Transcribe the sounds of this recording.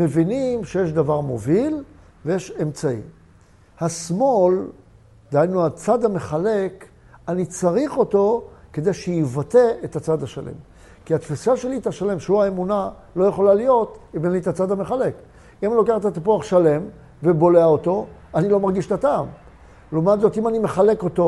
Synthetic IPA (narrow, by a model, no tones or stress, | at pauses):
me̞vinimʃejeʃd̪avaʁmo̞vil | vejeʃe̞mt͡saḭ | hasmo̞l | d̪eajnuat͡sad̪hame̞χale̞k | anit͡saʁiχo̞t̪o̞ke̞d̪e̞jʃejivate̞et̪at͡sad̪haʃa̰lʔḛm | kiat̪fisaʃe̞lit̪aʃale̞mʃehuaemuna | lo̞jeχo̞lalijo̞t̪imenlit̪at͡sad̪ameχale̞k | imanilokeeχet̪at̪apuaχʃale̞m | vebo̞leaot̪o̞anilo̞maʁɡiʃt̪ataːm | lomatzo̞t̪imanime̞χale̞ko̞t̪o̞